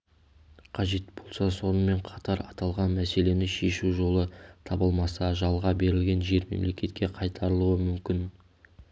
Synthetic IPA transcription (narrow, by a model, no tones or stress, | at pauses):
qʰɑʒe̞t̪bo̞lˠsɑso̞nəme̞ɴqʰɑt̪ɑɾɑt̪ɑlˠʁɑnmæse̞le̞nɪʃe̞ʃuʒo̞lˠət̪ʰɑbəlˠmɑsɑʒɑlˠʁɑbe̞ɾɪlɡʲe̞nʒe̞ɾme̞̰mle̞kʲe̞t̪̚kʲʰe̞qʰɑjt̪ʰɑɾəlˠuəmʏmkʲɪn